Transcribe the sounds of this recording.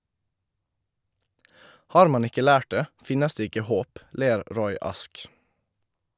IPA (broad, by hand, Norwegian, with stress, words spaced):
ˈhɑːɾ ˈmɑn ˈɪkə ˈlæːʈ ˈdeː ˈfɪnəs ˈdeː ˈɪkə ˈhoːp ˈleːɾ ˈɾɔʏ ˈɑsk